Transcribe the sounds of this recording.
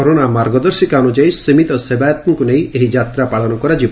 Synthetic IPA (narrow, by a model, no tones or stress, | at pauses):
ɔɾonamaɾɡɔd̪ɔɾʃikaɔnud͡ʒajsimit̪ɔsebajɔt̪ɔŋkunejʔeɦid͡ʒat̪ɾapaɭɔnɔkɔɾad͡ʒib